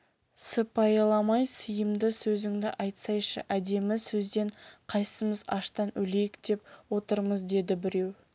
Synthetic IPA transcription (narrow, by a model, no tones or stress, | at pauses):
səpʰːɑjɑlˠɑmɑjsəjəmd̪əsɵzɪŋd̪ɪ̰ʔɑjt̪sɑjʃə̰ʔæd̪e̞mɪsɵzd̪e̞ɴqʰɑjsəməzɑ̰ʃt̪ɑnʔɵle̞jɪkd̪̥e̞p̚wo̞t̪əɾməzd̪e̞d̪ɪbɪɾe̞w